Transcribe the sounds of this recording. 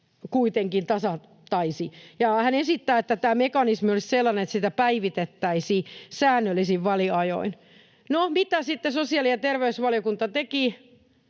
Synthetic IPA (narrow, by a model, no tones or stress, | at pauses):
kuit̪eŋkint̪ɑsɑ | t̪ːɑisijɑhænesit̪ːæːet̪ːæt̪æːmekɑnismiolisselːɑnenet̪sit̪æpæiʋit̪et̪ːæisiːsæːnːølːisiʋʋɑliɑjo̰in | nomit̪æsit̪ːesosiɑlijɑt̪erʋeysʋɑljokunt̪ɑt̪eki